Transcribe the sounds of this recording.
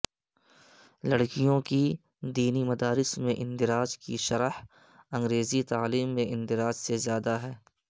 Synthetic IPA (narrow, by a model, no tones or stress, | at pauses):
lɐɽkijõki | d̪iːnimɐd̪aːɾɪsmẽʔɪ̃nd̪ɪɾaːd͡ʒkiʃɐɾəh | ɐ̃ŋɡɾeːzit̪aːliːmːẽʔɪ̃nd̪ɪɾaːd͡ʒsezjaːd̪aɦɛː